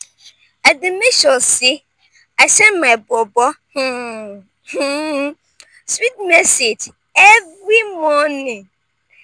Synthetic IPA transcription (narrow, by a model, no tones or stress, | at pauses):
adɪmeʃɔ̃sɪ | asɛnmãbɔbɔh̩ | h̩ | swit̚mɛsed͡ʒ | ɛvɾimɔnĩ